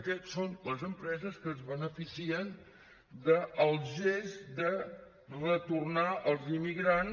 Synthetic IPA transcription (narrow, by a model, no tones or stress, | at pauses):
əkɛt̪sonləzəmpɾɛzəskəzβənəfisiən | d̪əəlˠʒezd̪ə | rət̪urnaʔəlˠzimiɣɾan